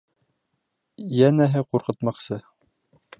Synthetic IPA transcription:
jænæɦɘquɾqɤ̆t̪mɑqsɤ

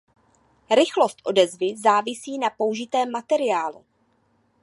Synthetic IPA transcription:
ɾɪxlo̞st̪ʔo̞dɛzvɪzaːvɪsiːnapo̞uʒɪt̪ɛːmːat̪ɛɾɪjaːlṵ

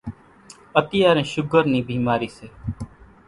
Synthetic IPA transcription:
ət̪ɪjaːɾẽːʃʊɡəɾniːbʱiːmaːɾiːseː

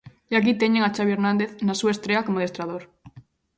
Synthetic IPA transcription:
iak̬it̪eɲeŋat͡ʃaβjeɾnãnd̪eθnasuaest̪ɾeakomoðest̪ɾað̞oɾ

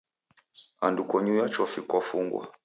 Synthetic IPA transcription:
andukɔɲujat͡ʃɔfikwafuŋɡwa̰

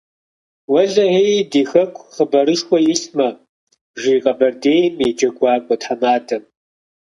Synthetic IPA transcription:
wɐɮɐejdiːxɐkʷʰʼχəbɐɾɨʃxʷɔjɪsmɐ | ʒiːqʼɐbɐrdeːjmjɛd͡ʒɐɡʷɑːkʷʼɔtħamaːtʰɐm

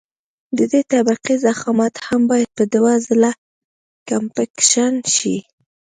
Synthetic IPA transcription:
d̪əd̪et̪abiqizaxɑmat̪hambɑjad̪̚pəd̪wazla | kampakʃanʃi

